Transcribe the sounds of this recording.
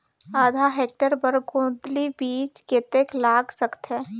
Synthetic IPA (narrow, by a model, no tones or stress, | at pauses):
aːd̪ʱaɦeːk̚ʈəɾpəɾɡõːd̪libiːt͡ʃkeːt̪eklaːɡsəkt̪ɦɛː